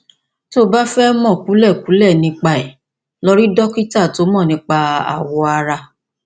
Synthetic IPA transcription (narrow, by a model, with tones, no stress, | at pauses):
to˦ba˦fɛ˦mɔ̃˦˨ku˨˦lɛ˦˨ku˨˦lɛ˦˨nĩ˧k͡pa˧˨ɛ˨ | lo˦ɾi˦dɔ˦ki˦ta˦˨to˨˦mɔ̃˦˨nĩ˧˦k͡pa˧a̰˨wɔ˧a˧ɾa˧